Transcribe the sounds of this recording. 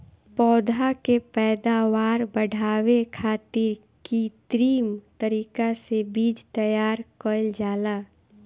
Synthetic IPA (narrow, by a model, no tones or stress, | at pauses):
pɔːd̪ʱakepɛːd̪aʋaːɾbəɽ̤ʱaːwekʰaːt̪ɪɾ | kit̪ɾiːmt̪əɾiːkasebiːd͡ʒt̪əjaːɾkəld͡ʒaːla